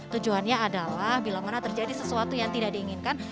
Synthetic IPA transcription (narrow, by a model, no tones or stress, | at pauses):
t̪ud͡ʒuɦanɲaːdalahbilamanat̪ərd͡ʒadisəsuat̪ujaŋt̪idaʔdiːŋɪnkan